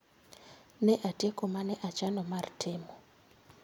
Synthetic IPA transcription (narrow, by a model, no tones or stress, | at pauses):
nɛʔatʼekʼɔmanɛʔat͡ʃanɔmaritʰɛːmɔ